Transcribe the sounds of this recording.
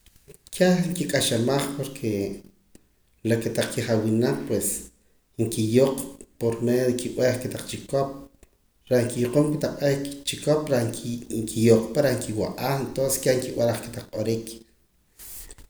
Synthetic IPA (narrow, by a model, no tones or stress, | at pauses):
kʰaŋkikʼaʃamaχpoɾkʰe | laket̪aq͡χkiχawinalpwes | ŋkijoqʼpoɾmejoðikiʔweχket̪aq͡χt͡ʃikop̚ | ɾaŋkijuqompit̪aqɓoikt͡ʃikopɾaŋkʰijoqʼpaɾaŋkiwaʔaːχent̪onse̥skʲeŋkiwaɾaχke̥t̪aq͡χɓoɾik